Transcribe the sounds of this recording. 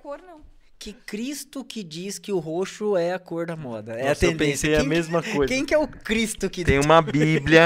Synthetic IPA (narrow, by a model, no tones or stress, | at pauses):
koɾnɐ̃w̃ | kɪkɾist̪ʊkɪd͡ʒiskɪʊɦoʃʊɛɐkoɾd̪ɐmɔd̪ɐɛɐt̪ẽdpẽssejɐmezmɐkojzkẽj̃kɪɛʊkɾist̪ʊkɪẽj̃ũmɐbibljɐ